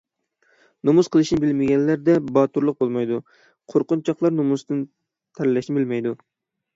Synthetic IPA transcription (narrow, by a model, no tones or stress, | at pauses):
nomuz̥qʰəlˠɨʃnɪbɪlmɪɡʲɛnlæɾd̪ɛbɑːt̪uɾlˠəq̚bolˠmɑjd̪u | qʰoɾqʊnt͡ʃʰɑχlˠɑɾnomust̪ɨn | t̪ʰæɾlːɛʃnɪbɪlmɛjd̪u